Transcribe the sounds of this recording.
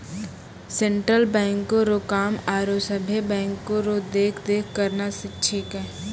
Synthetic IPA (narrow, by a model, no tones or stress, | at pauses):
sẽɳʈɾəlbɛ̃ːŋkːoɾokaːmaːɾosəbʱebɛ̃ːŋkːoɾod̪eːkʰd̪eːkʰkəɾnasɪtːʃʰekɦɛ